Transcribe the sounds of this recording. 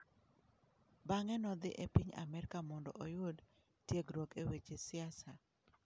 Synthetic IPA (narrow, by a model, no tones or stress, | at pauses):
baŋɛnɔd̪ɪʔepiɲa̰mɛɾkamɔndɔ̰ʔɔjʊd | tjeɡɾwokewet͡ʃesɪasa